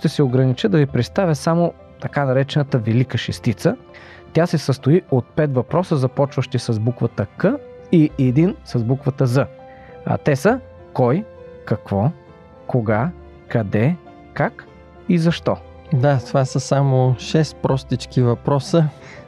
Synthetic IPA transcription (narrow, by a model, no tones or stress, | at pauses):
ʃt̪ɛsɛoɡɾɐnit͡ʃəd̪ɐvipɾɛt̪st̪avʲɐsamo | t̪ɐkanɐɾɛt͡ʃɛnət̪əvɛlikəʃɛst̪it̪sə | t̪jasɛsəst̪oiʔot̪̚pɛt̪vɐpɾɔsəzɐpɔt͡ʃvɐʃt̪isɐzbukvət̪əkə | iɛd̪insɐzbukvət̪əzə | ɐ̰t̪ɛsə | kɔjkɐkvɔ | koɡa | kɐd̪ɛ | kak | izɐʃt̪ɔ | d̪at̪ovasəsamoʃɛspɾɔst̪it͡ʃkivɐpɾɔsə